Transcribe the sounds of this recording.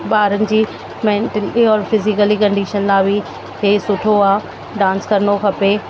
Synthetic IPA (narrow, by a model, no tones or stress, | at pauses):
baːɾənɪ̆d͡ʑiː | mɛ̃ːɳʈəliɔːɾfɪzɪkəlikɐ̃ɳɖiːʃənlaːʋi | kʰeːsʊʈʰoaː | ɖãːnskɐɾənokʰɐpe